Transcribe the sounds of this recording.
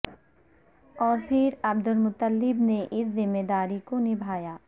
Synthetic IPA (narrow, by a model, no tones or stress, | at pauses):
ɔːɾpʰɪɾɐb̚d̪ʊlmʊt̪əlːɪbneʔɪszɪmːed̪aːɾikonɪbʱaːjaː